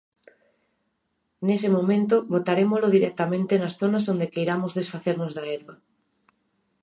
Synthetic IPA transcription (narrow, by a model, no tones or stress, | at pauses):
nesemomẽnt̪ʊβot̪aɾemoʊzlʊðiɾɛk̚t̪amẽnt̪enasθonazond̪ekejɾamʊzðesfaθeɾnozðaɛɾβɐ